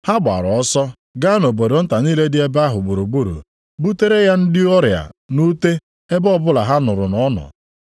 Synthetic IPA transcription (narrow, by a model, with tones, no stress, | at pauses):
ha˦ɡ͡ba̰˨ɾɔ˨ɔ˦sɔ˦ | ɡa˦no˨bo˨ɾo˨˦n̩˦ta˨ɲiː˦le˦dɪ˦e˦ba˦ɦʊ˨ɡ͡bu˨ɾu˨ɡ͡bu˦ɾṵ˨ | bu˦te˦ɾe˦ja˦n̩˦dɪ˦ɔ˦ɾja̰˨nu˦te˦ | e˦bɔ˦bʊ˦la˨ɦa˦nʊ˨ɾʊ̰˨nɔ˦nɔ̰˨